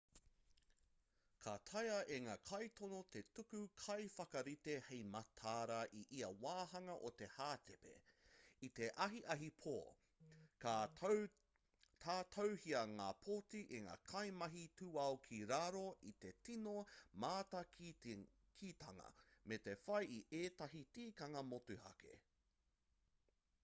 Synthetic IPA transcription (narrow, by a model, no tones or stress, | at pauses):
kʰatʰɐjɐʔeŋaːkʰɐjt̪onot̪e̞tukʉkʰɐjfɐkɐɾit̪ehejmɐtʰaːɾɐʔiʔiɐwaːhɐŋɐʔot̪e̞haːt̪ʰepḛit̪e̞ʔɐɦiʔɐɦipʰoː | tʰaːtʰowhiɐŋaːpʰoːtiʔiŋa̰ːkʰɐjmɐɦitʰuːɐokʰiɾaɾoʔit̪e̞tinomaːtɐ | kʰiːt̪ɐŋɐ̰metefɐjiʔeːt̪ɐɦitiːkaŋaːmotʉhɐ̰kḛ